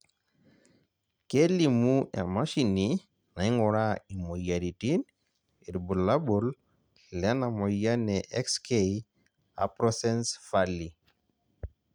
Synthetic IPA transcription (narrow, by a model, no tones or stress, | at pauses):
kelimuʔɛ̰maʃini | naiŋɔɾaimojaɾitin | iɾbulabol | lɛnamɔjanɛʔɛkskej | a̰pɾɔsɛnsfali